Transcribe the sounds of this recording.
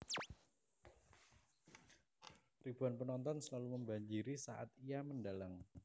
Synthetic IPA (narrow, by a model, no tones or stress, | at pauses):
ɾib̥uanpənɔnt̪ɔnsəlaluməmbaɲd͡ʒiɾisaʔa̰t̪ijamənɖalaŋ